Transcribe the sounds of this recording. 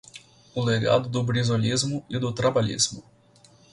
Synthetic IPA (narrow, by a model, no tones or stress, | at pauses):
ʊleɡa̰d̪ʊd̪ʊbɾizolʲizmʊɪd̪ʊt̪ɾabalʲḭzmʊ